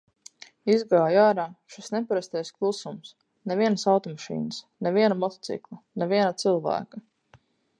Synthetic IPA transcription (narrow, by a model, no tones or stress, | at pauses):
izɡaːjaːɾaːʃisnɛpaɾast̪ɛjsklˠusums | nɛvʲiɛnsawt̪ɔmaʃḭːnəs | nɛviɛnamɔt̪ɔ̥t̪sḭklˠanɛvʲiɛnat̪silˠvæ̰ːka